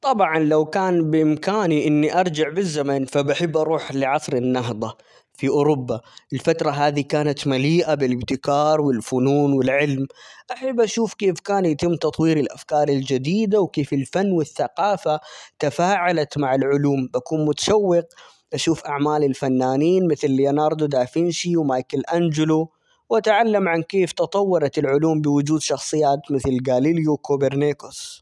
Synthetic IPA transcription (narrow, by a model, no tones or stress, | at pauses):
t̪ˤɑbʕɑnlawkaːnbɪʔɪmkaːniʔɪnːiʔɑɾˤd͡ʒɪʕbɪzːamanfabʔaħɪbːʔɑɾˤuːħlɪʕɑsˤɾɪnːɑɦd̪ˤɑ | fiʔʊːɾʊbːaʔɪlfat̪ɾˤɑɦaːðikaːnat̪maliːʔabɪlɪbt̪ɪkɑːɾˤwɪlfʊnuːnwɪlʕɪlmʔaħɪbːʔaʃuːfkeːfkaːnjat̪ɪmːt̪ɑt̪ˤwiːɾɪlʔa̰fkɑːɾˤɪld͡ʒad̪iːd̪awkeːfɪlfanːwɪθːaqɑːfat̪afaːʕalat̪maʕalʕʊluːmbakuːnmʊt̪ḁʃawːɪq̚ | ʔaʃuːfʔaʕmaːlɪlfanːaːniːnmɪθlɪljanɑːɾˤd̪ud̪aːfɪnʃiwmajkalʔand͡ʒɪlu | wʔat̪ʕalːamʕankeːft̪ɨt̪ˤɑwːɑɾˤɑt̪ɪlʕʊluːmbɪwʊd͡ʒuːd̪ʃɑxsˤɨjːaːt̪mɪθlɡaːliljukobeɾneːkʊs